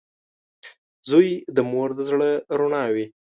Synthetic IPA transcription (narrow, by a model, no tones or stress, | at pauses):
zujd̪əmoɾd̪əzɽəɾoɳɑwi